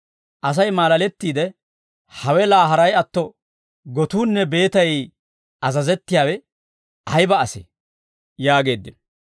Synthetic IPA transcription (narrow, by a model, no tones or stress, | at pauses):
ʔɐs̬ɐjmaːlɐlɛt̪ːiːd̪ɛ | hɐwɛlaːɦɐɾɐjɐt̪ːɔ | ɡɔt̪uːnːɛbe̞ːt̪ɐj | ɐzɐzɛt̪ːɪjaːwɛ | ʔɐjbɐːsḛ | jaːɡe̞ːd̪ːɪn